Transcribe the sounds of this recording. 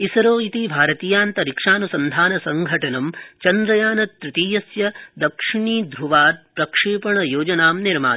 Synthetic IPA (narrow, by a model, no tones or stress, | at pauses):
isɐɾoːit̪ibʱaːɾɐt̪iːjaːnt̪ɐɾikʂaːnusɐnd̪ʱaːnɐsɐŋɡʱɐʈɐnɐmt͡ʃɐnd̪ɾɐjaːnɐt̪ɾɪt̪iːjɐsjɐd̪ɐkʂiɳiːd̪ɾuʋaːt̪̚pɾɐkʂeːpɐɳɐjoːd͡ʒɐnaːmniɾmaː